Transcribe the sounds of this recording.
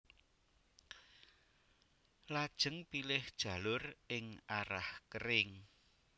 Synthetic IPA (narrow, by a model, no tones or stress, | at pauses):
lad̥ʒ̥ə̤ŋpilɪhd̥ʒ̥a̤lʊrɪŋaɾahkəɾɪŋ